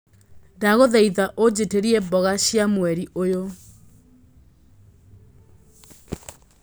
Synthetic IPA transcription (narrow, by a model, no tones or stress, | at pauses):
daɣoðɛiðaʔod͡ʑeteɾiɛbɔɣaɕjamwɛɾiʔojo